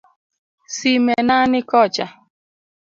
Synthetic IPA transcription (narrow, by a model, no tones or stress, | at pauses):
simenanɪkɔt͡ʃa